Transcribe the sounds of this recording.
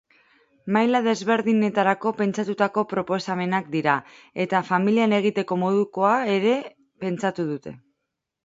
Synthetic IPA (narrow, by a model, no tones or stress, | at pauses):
majlaðe̞zβe̞ɾðine̞t̪aɾako̞pe̞nt͡ʃat̪ut̪ako̞pɾo̞po̞same̞nak̚d̪iɾa | e̞t̪afamiliane̞ɣ̞it̪e̞ko̞mo̞ðuko̞ae̞ɾe̞ | pe̞nt͡sat̪uðut̪e̞